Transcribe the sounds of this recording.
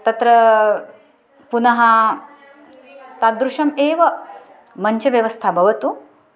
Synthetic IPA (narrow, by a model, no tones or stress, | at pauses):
t̪ɐt̪ɾɐ | punɐɦɐ | t̪ad̪ɾuʂɐmeːʋɐ | mɐɲt͡ɕɐʋjɐʋɐst̪ʰabʱɐʋɐt̪u